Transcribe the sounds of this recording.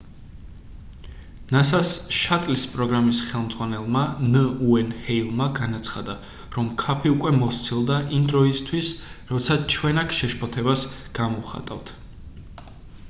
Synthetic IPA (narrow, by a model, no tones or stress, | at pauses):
nasasʃat̪ʼlispʼɾɔɡɾamisχɛlˠmd̪zʁwanɛlˠmanəuɛnhɛilˠmaɡanat̪sʰχad̪a | ɾɔmkʰapʰiukʼwɛmɔst̪sʰilˠd̪aʔimd̪ɾɔist̪ʰwisɾɔt̪sʰat͡ʃʰwɛnakʰʃɛʃpʰɔt̪ʰɛbasɡ̥amɔχa̰t̪ʼa̰vt̪ʰ